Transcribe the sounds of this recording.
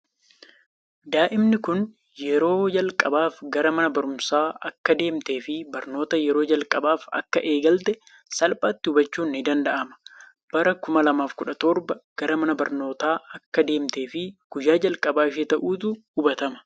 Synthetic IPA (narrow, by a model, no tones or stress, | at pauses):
d̪aːʔɪmnɪkʊn | jɛɾo̞ːd͡ʒɐlkʼɐbaːfɡɐɾɐmɐnɐbɐɾʊmsaːʔɐkːɐd̪e̞ːmt̪e̞ːfɪbɐɾno̞ːt̪ɐjɛɾo̞ːd͡ʒɐlkʼɐbaːfɐ̰kːɐʔe̞ːɡɐlt̪ɛ | sɐlpʼaːt̪ːɪhʊbɐt͡ʃːuːnːɪd̪ɐnd̪ɐʔɐmɐ̥ | b̥ɐɾɐkʊmɐlɐmaːfkʊᶑɐt̪oɾbɐɡ̥ɐɾɐmɐnɐbɐɾno̞ːt̪aːɐkːɐd̪e̞ːmt̪e̞ːfɪɡ̥ʊjaːd͡ʒɐlkʼɐbaːɪʃet̪ɐʔuːt̪ʊhʊbɐt̪ɐmɐ̥